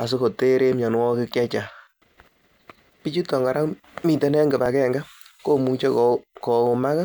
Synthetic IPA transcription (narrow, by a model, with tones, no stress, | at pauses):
a˨s̬o˦ko˨te˦ɾe˦mɲɔ˨nwɔ˦kɪ˦kɛ˦t͡ʃa˨ | pi˦t͡ʃi˦tɔ˨ŋɡa˨ɾa˦ŋ | mi˨tɛ˨nɛ˦ŋɡɛ˨pa˨kɛ˦ŋɡa˦ | ko˦mu˨t͡ʃe˦kkɔ˨o˨ma˦ka˦